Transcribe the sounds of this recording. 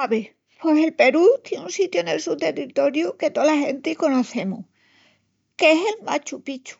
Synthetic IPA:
aβe | peselpe̞ɾut̪jenunsit̪juoene̞̰lsut̪e̞rit̪o̞ɾjuke̞t̪olaxẽ̞nt̪iko̞no̞θe̞muh | keese̞lma̰t͡ʃupit͡ʃu̥

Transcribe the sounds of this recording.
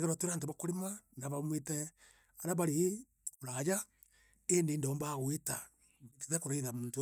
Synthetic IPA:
ɣeɾatweɾaːnteβakoɾemanaβamwetɛ | anaβaɾe | oɾaja | endendaombaɣweta | tiðekoɾaiðamuːntu

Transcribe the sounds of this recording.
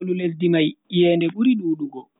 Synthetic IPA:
lulesdimajjɛːndɛɓuɾiɗuːɗuɡɔ

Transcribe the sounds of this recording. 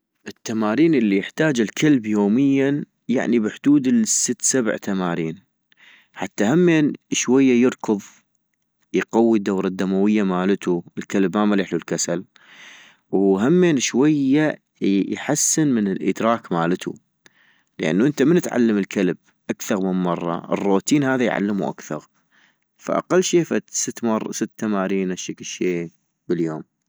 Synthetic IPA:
ʔɪt̪ːamaːɾiːnʔɪlːijɪħt̪aːd͡ʒɪlkʰalbjoːmɪjːan | ja̰ʕnibɪħd̪̥uːd̪ɪlsːət̪ːsab̰ʕt̪amaːɾiːn | ħat̪ːahamːeːnʃwajːajɨɾkʊðˤ | jqawːid̪ːawɾˤɑd̪ːamawɪjːamaːlət̪uʔɪlkalbmamalɪħlulkasal | wɦamːeːnʃwajːa | jħasːɪnmənɪlʔə̰d̪ɾɑːkmaːlət̪ʰṵ | ləʔa̰nːuʔənt̪amɪnɪt̪ʕa̰lːaməlkʰalb̚ | ʔakθɑɾˤmɪnmɑrˤːɑ̰ʔɪ̰rːoːt̪iːnhaːðajʕa̰lːəmṵʔa̰kθɑɾˤ | fa̰ʔa̰qalːʃiːfat̪sət̪ːmɑr̰ˤːsɪt̪ːamaːɾiːnʔaʃaklʃeː | b̥əljoːm

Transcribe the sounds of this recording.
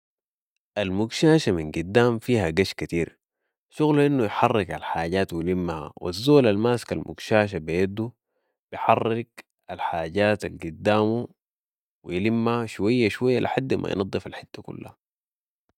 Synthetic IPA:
ʔalmuɡʃaːʃaminɡud̪ːaːmfiːhaɡaʃkat̪iːɾ | ʃuɣluʔinːujħɑrːɪɡalħaːɟaːt̪wilimːha̰wa̰zːoːlalmaːskalmʔṵɡʃaːʃ̬abijad̪u | b̥ijħɑrːɪɡ | alħaːɟaːt̪alɡud̪ːaːmu | wijlimːahaʃuwajːaʃwajːalʔɪ̰ħad̪ːmʔa̰j̰nʔɑd̪ˤːɨfalħɪt̪ːakṵlːa̰ha

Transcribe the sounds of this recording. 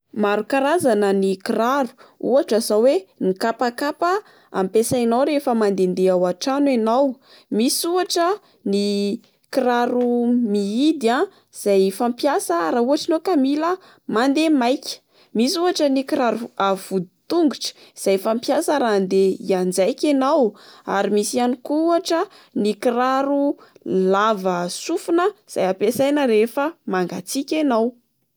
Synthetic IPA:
maɾukaɾazanənikiraɾu̥ṵaʈ͡ʂazawenikapakapə | a̰mpesainawɾefəmand̪end̪eawaʈ͡ʂanwenaw | misuaʈ͡ʂə | ni | kiɾaɾumiid̪ia | z̥ajfampjasəɾauaʈ͡ʂinokamilə | mand̪emajkʲə̥ | misuaʈ͡ʂənikiɾaɾuavud̪i̥t̪uŋɡuʈ͡ʂə̥iz̥ajfampjasəɾand̪eḭand͡zajkʲanawa̰ɾimisianikuaʈ͡ʂə | nikiraɾulavəsufunəiz̥ajapesajnəɾefəmaŋɡat͡sikʲenaw

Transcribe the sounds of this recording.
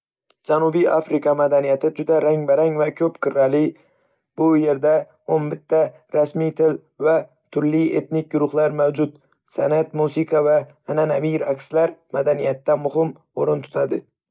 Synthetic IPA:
d͡ʒanubijafɾɪkʰɑmad̪anijat̪ʰɪd͡ʒʊd̪aɾaŋbaɾaŋvakʲʰɵpqʰɨɾːalɪ | bʊje̞ɾd̪a | onbɪt̪ʰːa | ɾasmijt̪ʰɪl | va | t̪ʰʊɾlɪe̞̰t̪nɪk̚ʲɡʊɾʊχlaɾmawd͡ʒʊt̪ | sanat̪musiqʰɑvaː | nanamiɾakʲslaɾmad̪anijat̪ːamʊɦɪm | oɾɪnt̪ʰʊ̥t̪ʰad̪ɪ

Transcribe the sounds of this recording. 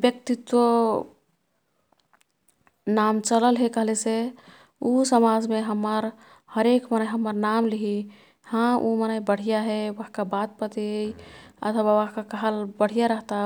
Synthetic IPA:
bjək̚t̪it̪wo | namt͡ʃələlɦekəɦlese | usəmad͡ʒmeɦəmːəɾ | həɾekmənəjɦəmːəɾnamliɦi | hãumənəjbəɽ̤ijaɦɛʋəɦkabat̪̚pət̪i | ə̰t̪ʰwaʋəɦkakəɦəlbəɽ̤ijaɾəɦt̪a

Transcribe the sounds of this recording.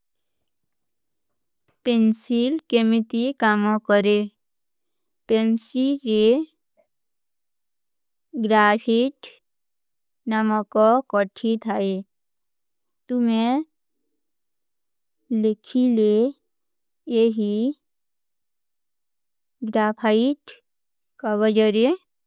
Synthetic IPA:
pensilkemit̪ikamɔkɔɾe | pensild͡ʒe | ɡɾapʰiʈ | namɔkɔkɔʈʰit̪ʰae | t̪umẽ | lekʰile | jeɦi | ɡɾaːpʰaiʈ | kaɡəd͡ʒəɾe

